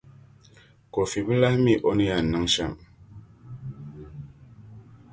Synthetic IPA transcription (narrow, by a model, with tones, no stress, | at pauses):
ko˨fi˨bə˦la˦hmi˦˨ʔo˦ni˦ja˨nə˦ŋʃa˦˨m